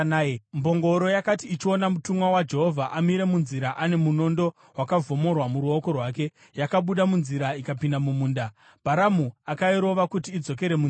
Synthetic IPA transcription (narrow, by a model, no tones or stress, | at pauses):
mbo̞ŋɡo̞ɾo̞jakatiːt͡ʃio̞namutumwawad͡ʒe̞ɦo̞vʱaʔamiɾe̞munziɾaʔane̞muno̞ndo̞ | wakavo̞mo̞rwamuɾuo̞ko̞rwaːke̞ | jakaɓuɗamunziɾaikapindamumuːnda | b̥ʱaɾamuakaiɾo̞ʋakutiːd͡zo̞k̬e̞ɾe̞mu